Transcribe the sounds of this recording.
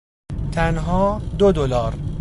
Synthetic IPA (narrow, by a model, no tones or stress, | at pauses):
t̪ʰænɦɒːd̪od̪olɒːɾ